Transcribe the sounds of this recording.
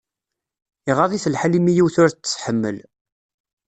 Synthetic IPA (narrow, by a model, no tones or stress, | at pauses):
iʁɑðˤiθəlħalimijiwθʊɾt͡sːt͡sːħəmːə̰l